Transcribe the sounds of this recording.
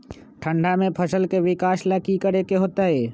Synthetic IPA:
ʈʰə̃ɳɖamẽpʰəsəlkeʋɪkaːʃlakikəɾekeɦoːt̪aɦeː

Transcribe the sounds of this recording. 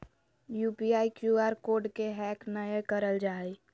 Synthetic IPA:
juːpiaːikjuːaːɾkoːɾɖkeɦɛːknəjekəɾəld͡ʒaːi

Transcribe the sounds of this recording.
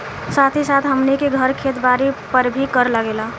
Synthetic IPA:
sat̪ʰisat̪ʰɦəmnekeɡʱəɾkʰeːt̪baɾipəɾbʱikəɾləɡela

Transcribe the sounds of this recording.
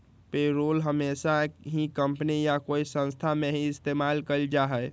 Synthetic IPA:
peɾolɦəmesaɦikəmpənijakoisə̃nst̪ʰameɦiɪst̪emalkəld͡ʒaɦɛj

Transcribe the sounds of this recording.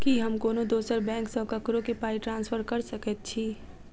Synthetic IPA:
kiɦɐmkoːnõd̪oːsəɾbɛ̃ːŋksɔːkɐkɾõkepaːiʈɾãːnsfʰəɾkɐɾsɐkət̪̚t͡ʃʰiː

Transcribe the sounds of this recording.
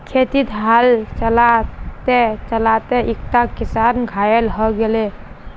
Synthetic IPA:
kʰet̪it̪ɦalt͡ʃəlat̪et͡ʃəlat̪eʔikt̪akisanɡʱajelɦɔɡele

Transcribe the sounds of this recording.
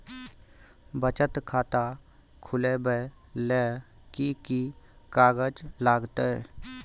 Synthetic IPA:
bət͡ʃət̪kʰaːt̪a | kʰʊlebə | le | kikikaːɡəd͡ʒlaːɡt̪ə

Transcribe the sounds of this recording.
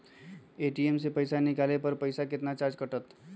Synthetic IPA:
eːʈiemsepəɪsanɪkaːlepəɾpəɪsakɪt̪nat͡ʃaːɾd͡ʒkəʈət̪

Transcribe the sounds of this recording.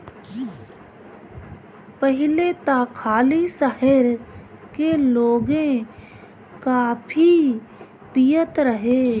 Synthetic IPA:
pəɦɪlet̪aːkʰaːlisəɦəɾkeloːɡẽ | kapʰi | pijət̪ɾəɦeː

